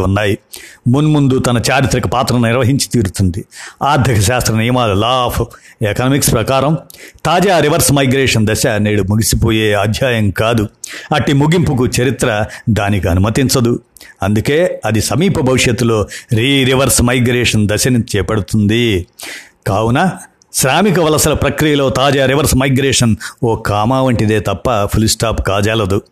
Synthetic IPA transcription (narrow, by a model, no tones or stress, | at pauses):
unːaːjimunmund̪ut̪ɐnɐt͡ʃaːɾit̪ɾɐkɐpaːt̪ɾɐnuniɾʋɐɦiɲt͡ʃi̥t̪iːɾut̪und̪iaːɾd̪ʱikʰɐʃaːst̪ɾɐnijɐmaːlulaːpʰekɐnɐmikspɾɐkaːɾɐmt̪aːd͡ʒaːɾiʋɐɾsmɐjɡɾeːʂɐnd̪ɐʃɐneːɽumuɡisipoːjeːaːd̪ʱjaːjɐŋkaːd̪uɐʈːimuɡimpuk̬ut͡ʃɐɾit̪ɾɐd̪aːnikiɐnumɐt̪iɲt͡ʃɐd̪u | ɐnd̪ukeːɐd̪isɐmiːpʰɐbʱɐʋiʂjɐt̪ːulo̞ːɾiːɾiʋɐɾsmɐjɡɾɛːʂɐnd̪ɐʃɐnit͡ʃɛːpɐɽut̪und̪i | kaːwunɐ | ʃɾaːmik̬ɐʋɐlɐsɐlɐpɾɐkɾijɐlo̞ːt̪aːd͡ʒaːɾiʋɐɾsmɐjɡɾeːʂɐnoːkaːmaːʋɐɳʈid̪e̞ːt̪ɐpːɐpʰulsʈaːpkaːd͡ʒaːlɐd̪u